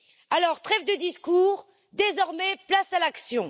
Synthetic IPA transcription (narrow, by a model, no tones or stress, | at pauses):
alɔʁt̪χɛfd̪əd̪iskuːʁ | d̪ezɔʁmɛplasalaksjɔ̃